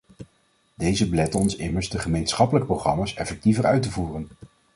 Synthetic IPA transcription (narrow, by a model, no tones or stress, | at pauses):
dejzəbəlɛtɔnsɪməɹzdəχəmejnsχɑpələkəprowχrɑmaːsɛfɛk̚tivəɹœɥtəvuːrən